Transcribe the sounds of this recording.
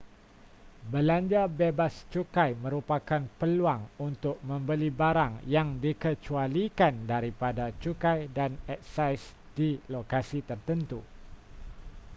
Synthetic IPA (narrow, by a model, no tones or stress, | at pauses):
bəlaɲd͡ʒabebast͡ʃukajmə̃ɾupakanpəluaŋunt̪ʊk̚mə̃mbəlibaɾaŋjaŋdikət͡ʃualikandaɾipadat͡ʃukajdanɛt̚sajs | d̥ilokasit̪ərt̪ənt̪u